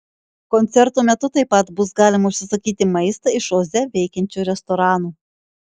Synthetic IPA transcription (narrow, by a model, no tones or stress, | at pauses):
kɔnʲt̪sʲɛɾt̪oːmʲɛt̪ʊt̪ɐɪpːɐt̪bʊsɡɑːlʲɪmɐʊʃʲsʲɪsɐkʲiːt̪ʲɪmɐɪst̪ɐɪʃoːzʲɛʋʲɛɪkʲɛnʲt͡ʃʲuːɾʲɛst̪ɔɾɑːnuː